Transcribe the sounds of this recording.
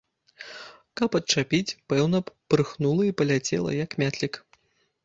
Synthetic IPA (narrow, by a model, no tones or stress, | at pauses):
kɐpɐt̪̚t͡ʂapʲit͡sʲpɛwnɐpɾɨxnulˠɐipɐlʲat͡sʲɛ̰lˠɐ̰jɐkmʲat̪ʲlʲik